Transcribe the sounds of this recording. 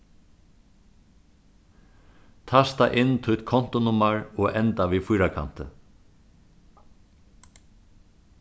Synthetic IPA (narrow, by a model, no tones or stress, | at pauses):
t̪ʰast̪aʔɪnːt̪ʰʊt̪kʰɔn̥t̪ʊnʊmaɹɔːʔɛnt̪aʋiːfʊjɾakʰa̰n̥t̪ə̰